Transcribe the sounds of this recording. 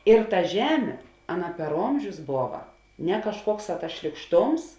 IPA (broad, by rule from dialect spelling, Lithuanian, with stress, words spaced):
ɪr tɐ ˈʒʲæːmʲeː ˈɑːˌnɐ pʲɛr ˈoːmʲʒʲʊs ˈboːʋɐ nʲɛ kɐʃˈkuɔkˌsɑː tɐs ʃʲlʲiːkˈʃtoːms